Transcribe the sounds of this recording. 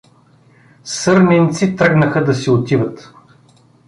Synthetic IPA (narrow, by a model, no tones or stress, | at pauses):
sɤɾnɛnt̪sit̪ɾaɡnəxəd̪ɐsiot̪ivət̪